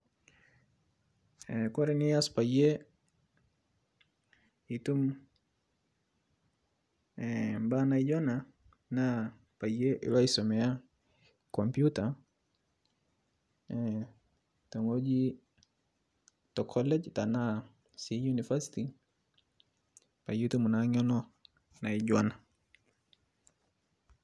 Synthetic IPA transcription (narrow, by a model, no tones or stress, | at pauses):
ɛkɔɾɛniaspaje | itum | ɛmbanaid͡ʒɔna | na | pajeʔḭlaisɔmɛa | kɔmpjuta | tɔŋɡɔd͡ʒi | tɔkʰɔlɛd͡ʒtana | sijunifasi̥ti | pajutumunaɲɔnɔ | naiʄɔna